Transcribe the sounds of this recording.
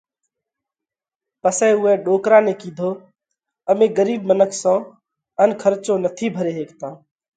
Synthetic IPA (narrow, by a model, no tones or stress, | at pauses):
pəsɛːʊɦɛ̃ːɗoːkɾaːneːkiːd̪ʱoː | əmẽːɡəɾiːbmənəkʰsãː | ənkʰəɾt͡ʃõːnət̪ʰiːbʱəɾeːɦeːkt̪ãː